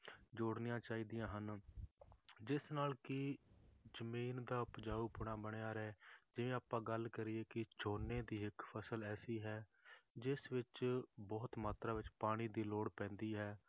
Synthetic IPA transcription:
d͡ʒoːɽnɪjãːt͡ʃaːiːd̪ɪjãːɦən | d͡ʒɪsnaːlkɪ | d͡ʒəmiːnd̪aːʊpd͡ʒaːuːpʊɽ̃ãːbəɽ̃ejaːɾɛːd͡ʒɪʋẽːaːpãːɡəlkəɾɪeːkɪt͡ʃoːnẽːd̪iːɪkpʰəsəlɛːsiːɦɛːd͡ʒɪsʋɪt͡ʃbɔːt̪maːt̪ɾaːʋɪt͡ʃpaːɽ̃iːd̪iːloːɽpɛ̃ːnd̪iːɦɛː

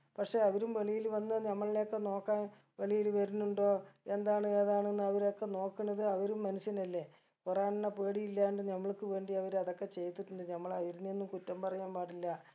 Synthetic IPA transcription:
pɐkʂe̞ɐʋɐɾumʋe̞ɭijilʋɐnːɐɲɐmːɐɭileokːe̞no̞ːkːaːn | ʋe̞ɭijilʋɐɾunːuɳɖo̞ːe̞nd̪aːɳɨeːðaːɳenːuɐʋɐɾokːe̞no̞ːkːunːɐðɨɐʋɐɾumːɐnusjɐnɐlːe̞ | kuraːnnːɐpeːɽijilːaːjɳɖɨɲɐmːɐɭkːɨʋe̞ːɳɖiɐʋɐɾɐðo̞kːe̞t͡ɕe̞jt̪ːiʈːuɳɖɨɲɐmːɐɭɐʋiɾunenːumkutːɐmpɐrɐjaːnpaːʈːilːɐ

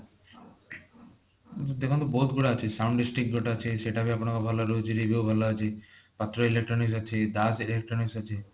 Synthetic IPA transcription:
d̪ekʰɔnt̪ɔbɔɦut̪ɡuɽaət͡ʃʰisawɳɖisʈɾik̚ʈɡoʈat͡ʃʰeseʈapiapɽ̃akɔbʱalɔɾod͡ʒiɾibibʱalaət͡ʃʰipat̪ɾoilek̚ʈɾɔniksət͡ʃʰed̪asilek̚ʈɾɔnisət͡ʃʰe

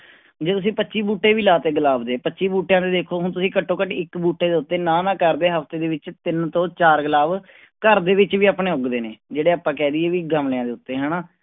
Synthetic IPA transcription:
d͡ʒeːt̪ʊs̬ĩːpətːʃiːbuːʈːeːʋiːlaːt̪eːɡəlaːbd̪eːpətːʃiːbuːʈːjãːd̪eːd̪eːkʰoːɦʊnt̪ʊsĩːkəʈʰːõːkəʈɪkbuːʈːeːd̪eːʊt̪ːeːnaːnãːkəɾd̪eːɦəfʰt̪eːd̪eːʋɪt͡ʃt̪ɪnt̪õːt͡ʃaːɾɡəlaːb | kəɾd̪eːʋɪt͡ʃʋiːaːpɳẽːʊɡd̪eːneːd͡ʒeːɽeːaːpːãːkɛːd̪iːeːʋiːɡəmlːãːd̪eːʊt̪ːeːɦɛːnaː

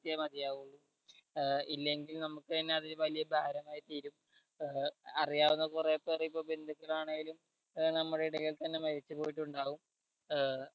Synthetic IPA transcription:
jɐmɐðijaːʋuɭːu | ilːe̞ŋɡilnɐmukːɨt̪ɐnːe̞ɐðiʋɐlijɐbʱaːɾɐmaːjit̪iːɾum | ɐrijaːʋunːɐðkurepːeːriipːo̞ːbend̪ʱukːɐɭaːɳeŋɡilum | nɐmːuɽeiɽɐɣɐlt̪ɐnːe̞mɐɾit͡ɕːɨpo̞ːjiʈ̬ːuɳɖaːʋum

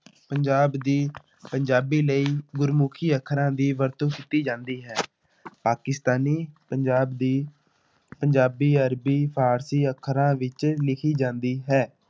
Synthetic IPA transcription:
pəɲd͡ʒaːbd̪iː | pəɲd͡ʒaːbiːləiːɡʊɾmʊkʰiːəkʰːɾãːd̪iːʋəɾt̪õːkit̪iːd͡ʒãːnd̪iːɦɛː | paːkɪst̪aːniːpəɲd͡ʒaːbd̪iː | pəɲd͡ʒaːbiːəɾbiːpʰaːɾsiːəkʰːɾãːʋɪt͡ʃlɪkʰiːd͡ʒãːnd̪iːɦɛː

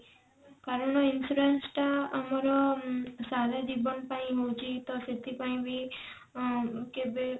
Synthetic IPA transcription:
kaɾəɳoɪnsuɾensʈaəmaɾosaːled͡ʒibənpaĩɦõːt͡ʃit̪osɪt̪ipaĩbʱi | kebe

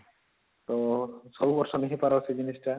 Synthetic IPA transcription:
t̪ɔsowbɔɾʃɔniɦipaɾosed͡ʑinisʈa

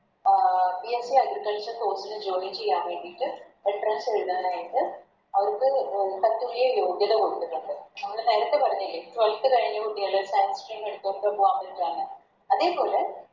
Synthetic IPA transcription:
piesiɐɡɾikɐlsɐnkoːsilɨd͡ʑoːnit͡ɕe̞jːaːnʋe̞ːɳɖitːɨ | eɳɖrɐnseɻunːɐðɐnaːjit̪ːɨ | ɐʋɐɾkːɨkɐt̪ːuɭijɐjo̞ːɡjɐðɐkoɽut̪ːuʈːuɳɖɨnɐmːɐkːeneːɾɐt̪ːe̞pɐrɐɲːilːɐʈʋɐlt̪ːɨkɐɻiɲːɐkuʈːijaːɭɐsaːnsʈɾiːmeɽut̪ːuokːepːuʋaːmɐʈaːɭɨ | ɐðe̞ːpo̞ːle

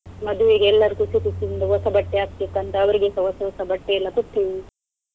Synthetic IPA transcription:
mɐd̪uʋiɡeɛlːɐɾukusit̪it̪ːind̪uɦɔsɐbɐʈːeaːɡ̚t̪ikːɐnt̪ɐːʋɐɾiɡesɐɦɔsɐɔsɐbɐʈːeɛlːɐkut̪ʰːiʋi

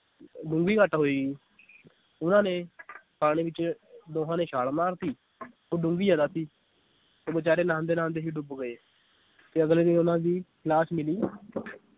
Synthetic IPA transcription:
ɖʊ̃ŋɡiːkəʈɦoːiːɡiː | ʊnãːnẽːpaːɽ̃ĩːbɪt͡ʃd̪oːɦãːneːʃaːlmaːɾt̪iː | oːɖʊ̃ŋɡiːd͡ʒaːd̪aːsiː | oːbət͡ʃaːɾeːnãːnd̪eːnãːnd̪eːɦiːɖʊbɡəeː | t̪eːəɡleːd̪iʊnãːd̪iːklaːsmɪliː

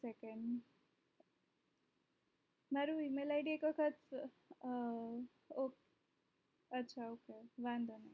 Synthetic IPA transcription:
sɛkeɳɖ | maɾuimelajɖiekʋəkʰət͡s | ok | ətːɕʰaoːkeʋãnd̪ona

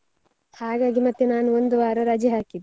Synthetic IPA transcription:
haːɡaːɡimɐt̪jɐnaːnuond̪uʋaːɾɐɾaːd͡ʒjɐɦaːkid̪

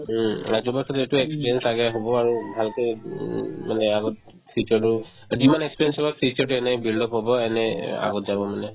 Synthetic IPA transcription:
azɔbakʰɔtetuɛkspiɹiɛnsaɡajɦobɔaɹubʱalkɛ | manɛaɡɔt̚ | sit͡ʃɔɹtu | zimanɛkspiɹɛnsɔbaksit͡ʃɔɹtuɛnɛbildɔpɦɔbɔɛnɛa̰ɡɔtzabɔmanɛ

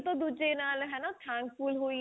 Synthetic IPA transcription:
t̪õːd̪uːd͡ʒenaːlɦɛːnaːt̪ʰɛ̃ːŋkpuːlɦoːiː

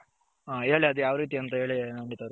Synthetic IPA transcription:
ae̞ːɭiɐd̪ujaːʋɐɾiːt̪iɐnt̪ɐɦe̞ːɭinɐɳɖit̪ɐʋɾ

